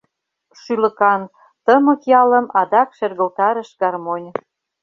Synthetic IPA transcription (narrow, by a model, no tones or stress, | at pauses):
ʃylə̆kɑn | t̪əmə̆kjɑlə̆mɑd̪ɑkʃerɣə̆lt̪ɑɾə̆ʃɡɑrmonʲ